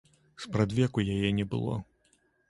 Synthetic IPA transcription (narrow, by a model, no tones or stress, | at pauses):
spɾad̪vʲɛkujajɛnʲɛbɨ̰lˠɔ̰